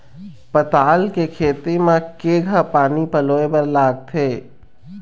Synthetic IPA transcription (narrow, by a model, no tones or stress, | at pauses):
pət̪aːlkekʰeːt̪emãkeːɡʱapaːnipəloːebəɾlaːɡ̚t̪ʰeː